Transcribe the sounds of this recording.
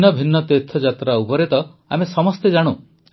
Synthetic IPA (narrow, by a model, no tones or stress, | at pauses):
ɔbʱinːɔt̪et̪ʰɔd͡ʒat̪ɾaupɔɾet̪ɔa̰mesɔmɔst̪ed͡ʒaɽ̃u